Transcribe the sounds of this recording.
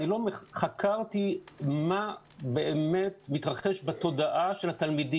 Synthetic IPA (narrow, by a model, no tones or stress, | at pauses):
nilo̞meχakʰaʁt̪ima | beʔeme̞t̪mit̪ʁaχe̞ʃbet̪o̞daʔaʃe̞lat̪almidi